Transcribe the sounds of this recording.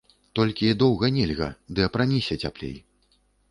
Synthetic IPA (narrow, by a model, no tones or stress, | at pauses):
t̪ɔlʲkʲid̪ɔwɣɐnʲɛlʲɣɐ̰d̪ɨɐpɾanʲisʲɛt͡sʲaplʲḛj